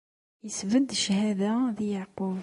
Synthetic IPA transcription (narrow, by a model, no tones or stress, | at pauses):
jəsvəd̪ʃhæðæðijəʕqov